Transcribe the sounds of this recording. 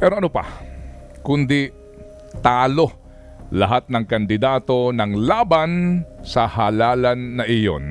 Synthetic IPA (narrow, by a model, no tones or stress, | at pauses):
pɛːɾoʔɐnʊpɐ̰ | kʊnd̪i | t̪aːlo̞ | lɐ̰ɦat̪̚nɐŋkɐnd̪ɪd̪aːt̪o̞nɐŋlaːbansɐhalaːlɐnːɐʔɪjo̰n